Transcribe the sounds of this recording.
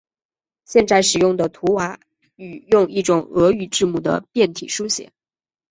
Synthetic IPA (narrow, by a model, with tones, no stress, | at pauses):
ɕjɛ˥˧nt͡sa˥˧ɪʂɻ̩˨˩jʊ˥˩ŋd̪ə˩t̪ʰu˧˥wa˧˥ | y˨˩jʊ˥˧ŋi˥˩ʈ͡ʂʊ˨˩ŋɤ˧˥y˨˩ʈ͡ʂɻ̩˥˧mu˥˩d̪ə̰˩pjɛ˥˩nt̪ʰḭ˨˩ʂu˥ɕjɛ̰˨˩˦